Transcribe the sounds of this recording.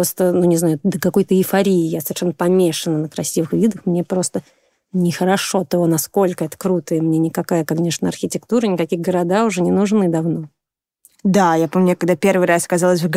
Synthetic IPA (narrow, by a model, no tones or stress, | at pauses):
post̪ənunʲɪznajʊd̪əkɐko̞jt̪əɪfɐɾʲiɪjasəvʲɪrʂɛnːəpɐmʲeʂənənəkɾɐsʲivɨxvʲid̪əxmnʲepɾo̞st̪ə | nʲɪxəɾɐʂo̞t̪ɐvonɐsko̞lʲkəɛt̪ə̥kɾut̪əjəmnʲe̞nʲɪkɐkajəkɐnʲeʂnəɐrxʲɪtʲɪkt̪uɾənʲɪkɐkʲiɣɡəɾɐd̪aʊʐɛnʲɪnʊʐnɨd̪ɐvno̞ | d̪ajapomʲnʲekɐɡ̚d̪apʲe̞rvɨjɾasɐ̥kɐzalˠəs̬ʲvɡ